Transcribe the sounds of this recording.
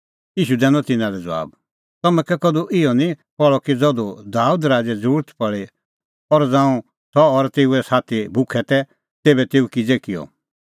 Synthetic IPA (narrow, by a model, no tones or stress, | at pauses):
jiːʃud̪ɛ̃ːnɔt̪ɪnãɾɛd͡zɐʋa̰ːb | t̪ɐmɛ̃kɛkɔd̪uʔɪjɔnĩpɔɭɔkid͡zɔd̪ud̪aːud̪ɾaːd͡zɛd͡zuɾət̪ʰpɐɭe | ɔɾd͡zãːũ | sɔːɾt̪eːuɛsaːt̪ʰibʱʊkʰɛt̪ɛ | t̪eːbɛt̪eːukid͡zekɪjɔ̰